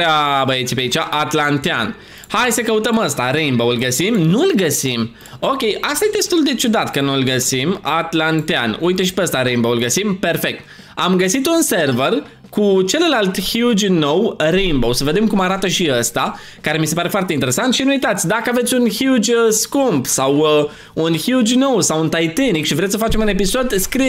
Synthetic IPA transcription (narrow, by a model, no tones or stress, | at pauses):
eabəjet̪sʲpeait͡ʃaʔat̪lant̪ea̰n | hajsəkəut̪əməst̪aɾenboulɡəsimnulɡəsim | okʲe̞jʔast̪ajed̪e̞st̪uld̪e̞t͡ʃud̪at̪kənulɡəsimat̪lant̪ea̰nujt̪eʃi̥peəst̪aɾejmboulɡəsimpe̞rfe̞k̚t̪̚ | amɡəsit̪unserver | kut͡ʃe̞lelalt̪hjud͡ʒʲno̞wɾejnbowsəve̞d̪e̞mkumaɾat̪əʃiəst̪a | kaɾe̞mise̞paɾe̞foart̪eint̪eɾesant̪ʃinuuijt̪at̪sʲd̪akəavet̪sʲunhjud͡ʒʲəskumbsaw | unçjud͡ʒʲno̞wsawunt̪ajt̪enikʃivɾe̞t̪sʲsəfat͡ʃe̞mune̞piso̞d̪skɾi